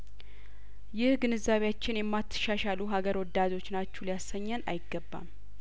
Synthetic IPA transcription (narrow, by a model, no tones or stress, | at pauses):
jɪhɡɨnɨzːaβejat͡ʃːɪnjɛmːat̪ʰːɨ̥ʃaʃaluɦaɡəɾwɔd̪ːad̪o̞t͡ʃːnat͡ʃːulijasːəɲːəna̰jɪɡːəbːa̰m